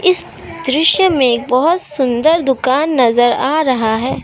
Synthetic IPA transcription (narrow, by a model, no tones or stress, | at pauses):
ɪs | d̪ɾɪʃjəmẽeːk̚bɐɦʊt̪sʊ̃nd̪əɾd̪ʊkaːnːɐzəɾa̰ːɾɐɦaɦɛː